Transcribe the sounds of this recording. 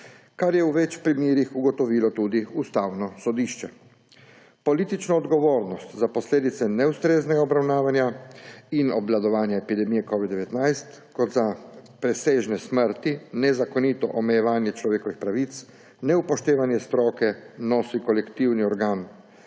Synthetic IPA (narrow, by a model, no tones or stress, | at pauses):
kaɾjɛuʋɛt͡ʃpɾimeːɾixuɡɔt̪ɔʋiːlɔt̪uːd̪iust̪awnɔsɔd̪iːʃt͡ʃɛ | pɔliːt̪it͡ʃnɔːd̪ɡɔʋoːɾnɔst̪zapɔsleːd̪it̪sɛnɛust̪ɾeːznɛɡaɔbɾawnaːʋanjainɔblad̪ɔʋaːnjaɛpid̪ɛmiːjɛkɔːʋid̪d̪ɛʋɛt̪najst̪kɔd̪zapɾɛseːʒnɛsməɾt̪inɛzakɔnit̪ɔ̰ʔɔmɛjɛʋaːnjɛt͡ʃlɔʋeːkɔʋixpɾaʋit̪s | nɛupɔʃt̪eːʋanjɛst̪ɾɔːkɛnɔsikɔlɛkt̪iwniɔɾɡaːn